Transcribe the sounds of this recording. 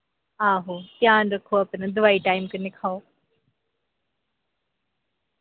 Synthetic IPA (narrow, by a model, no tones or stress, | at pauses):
aːɦot̪jaːnɾɐkʰoɐpnɐd̪ʊʋaːiʈaːɪmkɐnɪkʰaːo